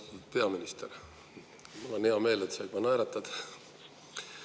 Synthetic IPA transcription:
t̪ud̪̥̚pe̞ɑminist̪er | mɑlenheɑme̞ːlet̪sɑjɑnæjɾɑt̪ːˑɑd̪̥

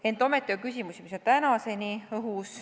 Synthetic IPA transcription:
e̞nt̪ˑo̞me̞t̪ːˑiokysʲimusimisont̪ænɑse̞niɤɦus

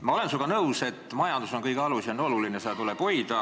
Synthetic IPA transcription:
mɑo̞le̞nsuɡ̥ɑnɤuse̞t̪ːˑmɑjɑnd̪̥uso̞nkɤjkɑlusiono̞lulineseɑt̪ulepo̞jd̪ɑ

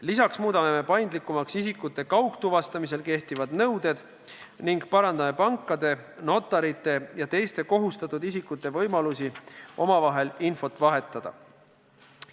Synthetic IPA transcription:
lisɑksmuːd̪̥ɑme̞me̞pɑjnd̪likːˑumɑksisikːˑut̪ːˑe̞kɑwkt̪uvɑst̪ɑmis̬e̞lke̞ht̪ivɑd̪̥nɤwd̪e̞d̪̥ | niŋɡ̥pɑɾɑnd̪ɑmepɑŋkˑːɑd̪̥e̞no̞t̪ːˑɑɾit̪ːˑe̞jɑt̪e̞jst̪e̞ko̞ɦust̪ɑt̪ːˑud̪isikːˑut̪ːˑe̞vɤ̞jmɑlusiʔo̞mɑvɑɦe̞linfo̞t̪ːˑvɑɦe̞t̪ːˑɑd̪̥ɑ̰

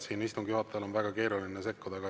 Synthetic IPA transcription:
siːnist̪uŋɡ̥juhɑt̪ːˑeɑlo̞nvæɡ̥ɑke̞ːɾulinese̞kːud̪̥ɑɡ̥ɑ

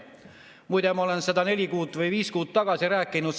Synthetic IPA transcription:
mujt̪emolensɑd̪ɑne̞likuːt̪ːˑvɯjʋiːskuːt̪t̪ɑɡ̥ɑsiræːkːinut̪

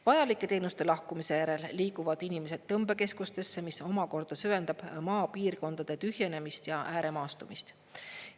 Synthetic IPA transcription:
vɑjɑlikːˑe̞t̪e̞ːnust̪e̞lɑhkumise̞jæɾe̞lːiːkuvɑd̪̥inime̞se̞d̪̥t̪ːɤmbe̞ke̞skust̪e̞sːemiso̞mɑko̞rd̪̥ɑsyve̞nd̪̥ɑb̥mɑːpiːrko̞nd̪̥ɑd̪̥e̞t̪yhje̞ne̞mist̪jɑʔæːɾe̞mɑːst̪umist̪

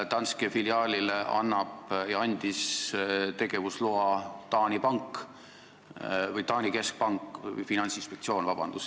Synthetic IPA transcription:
t̪ɑnskefiliɑːlʲileʔɑ̰nːɑb̥jɑɑnʲd̪̥ist̪e̞ɡ̥e̞vusloɑt̪ɑːnʲipɑŋk | vɤjt̪ɑːnʲike̞sk̚pɑŋkːˑjfinɑnʲtsinspe̞k̚t̪sio̞ːnvɑb̥ɑ̰nd̪̥us

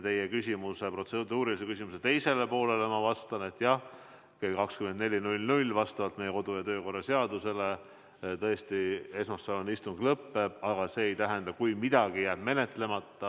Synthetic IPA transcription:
t̪e̞jekysʲimuse̞pro̞t̪sed̪uːɾilis̬ekys̬ʲimuset̪e̞jse̞le̞po̞ːle̞lemɑvɑst̪ɑne̞t̪ːˑjɑh | kekɑkskymend̪ne̞lʲinulʲnulʲːvɑst̪ɑvɑlt̪me̞jeko̞d̪ujɑt̪øːko̞rːɑse̞ɑd̪use̞le̞ | t̪ɤ̞est̪ie̞smɑsːɑnonist̪uŋɡ̥lɤpːe̞b̥ɑɡ̥ɑse̞ːjt̪æɦɛnd̪̥ɑkujmid̪̥ɑɡ̥ijæːb̥me̞ne̞t̪le̞mɑt̪ːɑ

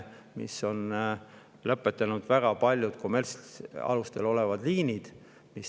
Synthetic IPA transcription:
mḭsːo̞n | lɤpːˑe̞t̪ːˑɑnud̪̥væɡ̥ɑpɑlʲjud̪̥kome̞lsɑ̰lust̪e̞lo̞le̞vɑd̪liːnid̪̥ | mis

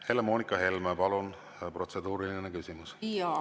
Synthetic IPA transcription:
helemoːnikːˑɑɦe̞lmepɑlun | pro̞t̪se̞d̪̥uːɾilininekysimusiɑ

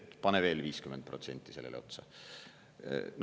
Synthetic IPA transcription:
pɑneve̞ːlviːskyment̪̚pro̞t̪se̞nʲt̪ːˑise̞lːelʔeo̞t̪sɑ | n

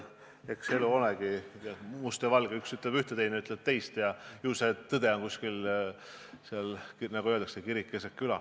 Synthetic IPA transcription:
e̞kseluoleɡ̥ijɑmust̪evɑlɡ̥eyksyt̪ˑlebyht̪et̪ejneyt̪ːˑleb̥̚t̪e̞jst̪jɑjuːset̪ɤd̪̥e̞ɑnkuskil | seɑlnɑɡuøld̪ɑksekiɾikːˑesekkːylɑ

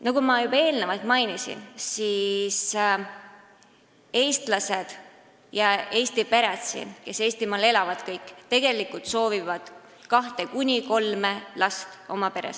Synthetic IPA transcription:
nɑɡumɑjubɑe̞ːlnevɑlt̪mɑjnisḭnsis | e̞ːst̪lɑse̞d̪̥ | jɑe̞ːst̪ipe̞ɾet̪sḭnke̞se̞ːst̪imɑːle̞lɑvɑd̪̥kɤjkːˑt̪e̞ɡ̥e̞likːult̪so̞ːvivɑd̪̥ | kɑht̪e̞kunʲiko̞lme̞lɑst̪o̞mɑpe̞ɾḛs

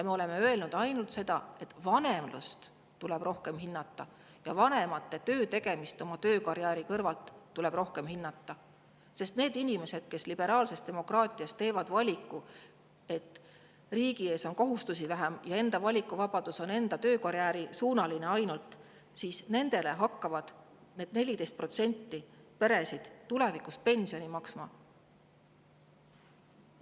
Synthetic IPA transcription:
jɑme̞o̞le̞me̞øe̞lnud̪̥ɑjnult̪se̞d̪̥ɑ̰e̞t̪vɑne̞mlṵst̪ | t̪ːulɛb̥ro̞hke̞mɦinːɑt̪ːɑ | jɑvɑne̞mɑt̪ːe̞t̪ø̞ːt̪e̞ɡ̥e̞mist̪o̞mɑt̪ø̞ːkɑɾjæːɾikɤrvɑlt̪ːule̞b̥ro̞hke̞mhinːɑt̪ːɑ | se̞st̪ne̞ːd̪inʲime̞se̞d̪̥ke̞slib̥e̞ɾɑːlse̞st̪t̪e̞mo̞krɑːt̪ʲˑiɑst̪ːe̞ːvɑd̪vɑlʲikːu | e̞t̪ː | riːɡ̥ie̞ːso̞nko̞ɦust̪us̬ivæɦemjɑe̞nd̪̥ɑvɑlʲikˑːuvɑb̥ɑd̪̥uso̞ne̞nd̪ɑt̪ø̞ːkɑɾjæːɾisuːnɑline̞ɑjnult̪ˑ | siːsne̞nd̪̥e̞le̞ɦɑkːɑvɑd̪̥ | ne̞ːd̪̥̚ne̞lʲid̪e̞jst̪pro̞t̪se̞nʲt̪ːipe̞ɾe̞sid̪̥t̪ule̞vikuspe̞nʲsionʲimɑksmɑ

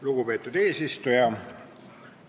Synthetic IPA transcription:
luɡ̥upe̞ːt̪ːˑud̪̥e̞ːsist̪ujɑ

